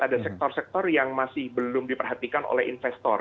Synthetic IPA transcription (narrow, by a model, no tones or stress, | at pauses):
adasɛk̚t̪ɔrsɛk̚t̪ɔrjaŋmasɪhbəlʊmdipərɦat̪ikano̰lɛhḭnfɛst̪ɔr